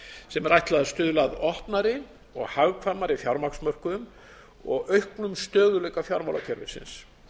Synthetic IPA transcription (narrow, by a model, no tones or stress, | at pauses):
sɛmɛɾajht̪laðast̪ʏðlaðɔhpnaɾɪ | ɔ̰ɣhaɣkʰvaɾmaɾɪfjawɾmaksmœr̥kʏm | ɔ̰ɣœɥhknʏmst̪œːɣʏlɛjkafjawɾma̰wla̰cʰɛɾvɪ̰̥sɪ̰ns